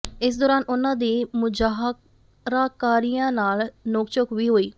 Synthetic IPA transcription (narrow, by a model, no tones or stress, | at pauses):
ɪs̬d̪oːɾaːnʔʊnãːd̪iːmʊd͡ʒaːɦ | ɾaːkaːɾijãːnaːlnoːkt͡ʃokʋiːɦoːiː